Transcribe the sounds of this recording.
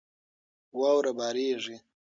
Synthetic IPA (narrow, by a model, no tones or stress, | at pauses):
waːwɾabaːɾeːʐi